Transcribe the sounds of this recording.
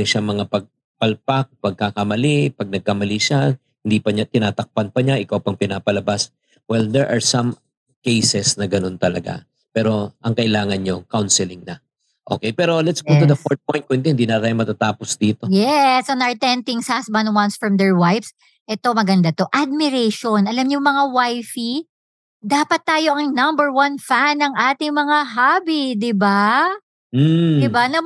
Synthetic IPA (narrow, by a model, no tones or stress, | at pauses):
ɪŋʃaŋmɐŋapɐɡ̚ | pɐlpak̚pɐɡ̚kakɐmɐlipɐɡ̚nɐɡ̚kɐmɐliʃa | hɪnd̪ipɐɲat̪ɪnaːt̪ɐk̚panpɐɲaʔɪkawpɐŋpɪnaːpɐlɐbas | wɛld̪ɛɹʔɐɹsɐm | kejsɛsnɐɡɐno̞nt̪ɐlɐɡa̰ | pɛːɾo̞ʔɐŋkɐʔɪlaːŋɐnɲokawnsɛlɪŋnɐ | ʔo̞̰kɛjpɛːɾo̞lɛt̪sɡow̪ʊd̪ɐfoɹt̪̚pojnt̪̚koɪnd̪ɪɛhɪnd̪iːnɐt̪aːjʊmɐt̪at̪aːposd̪iːt̪o̞jɛsʔɐnɐɹt̪ɛnt̪ɪŋsasbɐnwɐnsfɹɐmd̪ɛɹwajfs | ʔɛt̪o̞mɐɡɐnd̪ɐt̪o̞ʔad̪̚mɪɾɛʃonʔɐlɐmɲʊŋmɐŋawajfi | d̪aːpɐt̪ːaːjo̞ʔɐŋnɐ̃mbɛɹwɐnfanːɐŋʔaːt̪ɪŋmɐŋaɦaːbid̪ɪba | m̩d̪ɪbanɐ